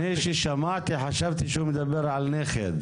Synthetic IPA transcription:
eʃiʃamaʕt̪iħaʃavt̪iʃhumed̪abeʁʕalneχed̪

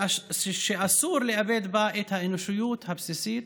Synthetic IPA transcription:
ʃeʔasuːɾleʔabed̪baʔet̪haʔenoʃujuːt̪habsisiːt̪

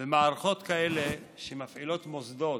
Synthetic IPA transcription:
vemaːɾaχo̞t̪kaele | ʃemafʕilo̞t̪mozd̪o̞

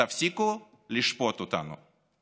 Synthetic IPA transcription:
afsʲikʊ | lʲiʃpɔt̪ʊt̪a̰nʊ̰

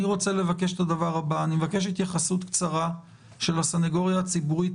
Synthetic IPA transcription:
iʁo̞t͡sele̞vake̞ʃetadavaʁabaːnimevake̞ʃ̬it̪jaχasut̪kt͡saʁa | ʃe̞lasaneɡo̞ʁjaːt͡sibuʁit

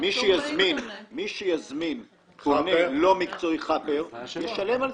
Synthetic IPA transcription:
miʃejazminmiʃejazmin | konelo̞mikt͡so̞jχapeʁjeʃalemal

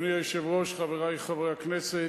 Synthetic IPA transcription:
niajʃɛvʁoʃχaveʁajχavʁejaknɛse

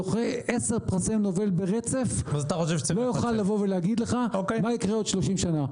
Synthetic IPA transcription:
oχeese̞ʁpʁasemno̞ve̞lbeʁet͡se̞fazat̪aχoʃ̬evʃe̥elojuχalːavo̞veleaɡid̪le̞χaokemaikʁeo̞d̥̪ʃlo̞ʃimʃana

